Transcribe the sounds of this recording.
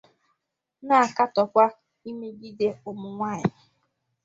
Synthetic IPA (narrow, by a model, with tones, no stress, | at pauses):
na˦a˨ka˦tɔ˨kʷa˦ | i˦me˦ɡi˦de˦o˨mʊ˨ŋʷa˦˨ɲ˨ɪ˨